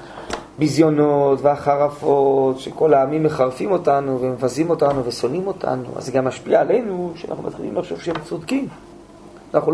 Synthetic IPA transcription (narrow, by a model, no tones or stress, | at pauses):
bizjo̞notveaχaʁafo̞tʃeko̞laːmimːe̞χaʁfimo̞tanuvemevazimo̞tanuveso̞nimo̞tʰa̰nṵa̰zːeɡamːaʃpiaːle̞jnuʃea̰na̰χnṵma̰tχilimlaχʃovʃehemt͡sod̪kim | anaχul